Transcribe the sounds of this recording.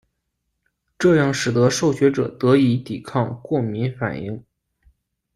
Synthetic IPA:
ʈ͡ʂɤ˥˧jɑ˥˩ŋʂɻ̩˨˩d̪ɤ˧˥ʂo˥˩ʊɕɥɛ˧˥ʈ͡ʂɤ̰˨˩t̪ɤ˧˥i˧˥t̪i˨˩kʰɑ˥˧ŋkwɔ˥˩mi˧˥nfa̰˨˩nḭ˥˩ŋ

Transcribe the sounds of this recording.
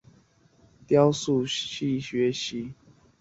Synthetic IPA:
t̪jɑ˦ʊsu˥˨ɕi˥˨ɕɥɛ˨˦ɕi˨˦

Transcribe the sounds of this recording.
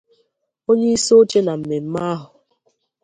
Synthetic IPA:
o˦ɲe˦i˦so˦t͡ʃe˦na˨m̩˨me˨m̩˦ma˦a˦ɦʊ˨

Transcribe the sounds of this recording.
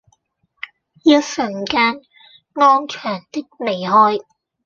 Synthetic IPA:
jɐ˧˥sɵ˨˩ŋkaː˧n | ŋɔː˥nt͡ʃʰœː˨˩ŋt̪ɪ˥k̚me˨˩jɦɔː˥j

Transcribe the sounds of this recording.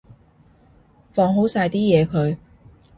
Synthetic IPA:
fɔː˧ŋɦo˨˥wsaː˧jt̪iː˥jɛː˨˧kʰɵ˨˧ɥ

